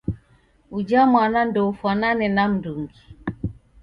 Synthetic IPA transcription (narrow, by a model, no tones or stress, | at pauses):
ud͡ʒamwanan̩dofananɪnam̩duŋ̩ɡi